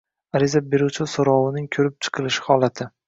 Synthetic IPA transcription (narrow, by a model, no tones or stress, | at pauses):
aɾɪzabe̞ɾut͡ʃʰɪsoɾɒwɪnɪŋkʲʰɵɾɪp̚t͡ʃʰɨ̥qʰɨlˠɪʃhɒlˠat̪ʰɪ